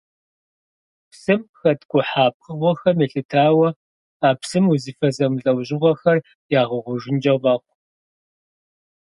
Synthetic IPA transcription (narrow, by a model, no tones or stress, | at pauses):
psɨmxɐtɡʷʼʊħaːp̚qəʁʷɔxɐmeɬɨtʰaːwɐ | aːpsɨmuzifɐzɐmɮʼɐwʑɪʁʷɔxɐr | jaːʁəʁʷʊʒɪnd͡ʒɐʁɐqʷ